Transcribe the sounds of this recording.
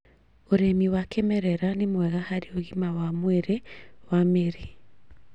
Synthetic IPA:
oɾemiwakʰemɛɾɛɾanemwɛɣahaɾioɣimawamweɾewameɾi

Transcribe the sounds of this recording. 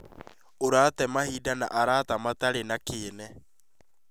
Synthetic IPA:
oɾatɛmahiːdana̰ʔaɾatamataɾenakeːnɛ

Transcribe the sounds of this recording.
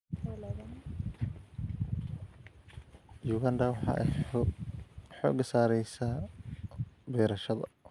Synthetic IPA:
jʊɣand̪ɐwɑħɑ̰ːʔɛ̰ | ħɔ̰ːɡɐsaːɾɛjsa | bɛːɾɐʃɐðɐ̰

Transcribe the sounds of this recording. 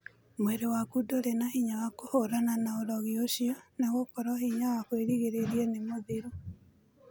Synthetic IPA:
mweɾewakudoɾenahiɲawakohoɾananaoɾɔɣioɕiɔneɣokɔɾɔhiɲawakweɾiɣeɾeɾienemoðiɾo

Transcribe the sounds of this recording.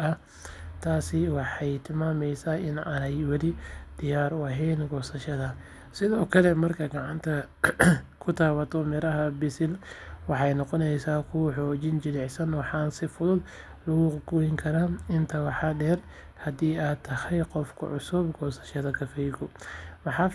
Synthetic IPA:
ʔɐ | t̪ʰaːsɪwɑħɑjt̪ʰɪlmaːmɛjsaːɪnʔɐnɐjwɐlid̪̥ɪjaːɾɐɦɛːnɡɔːsɐʃɐðɐ | sɪðɔːkʰɐlɛmɐrkʰɐɡɑʕɑnt̪ʰɐ | kʰʊt̪ʰaːwɐt̪ʰɔmɛɾɐɦɐbɪsɪlwɑħɑjnɔqɔnɛjsaːkʰʊwħɔːt͡ʃɪnd͡ʒɪlɪʕsɐnwɑħɑːnsɪfʊðʊd̪ | lʊɣʊɡʊɪŋkʰɐɾaːnɪnt̪ʰɐwɑħɑɖɛːr | hɐd̪iːaːt̪ʰːɐhɛjqɔfkʰʊ̰ʕʊsʊbɡɔːsɐ̥ʃɐðɐkʰɐfɛjɡɔmɑħɑː

